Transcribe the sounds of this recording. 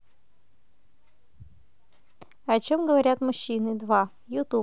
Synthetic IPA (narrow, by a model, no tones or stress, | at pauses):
ɐt͡ɕomɡəvɐɾʲat̪mʊɕːinɨd̪va | jʊt̪u